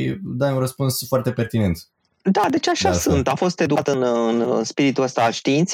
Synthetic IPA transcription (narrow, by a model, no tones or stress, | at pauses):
id̪ajunrəspunsfoart̪e̞pe̞rt̪ine̞nt̪ | d̪ad̪e̞t͡ʃaʃasɨnt̪afo̞st̪e̞d̪uat̪ɨnɨnɨ̰spiɾit̪uəst̪aːlʃt̪iint̪s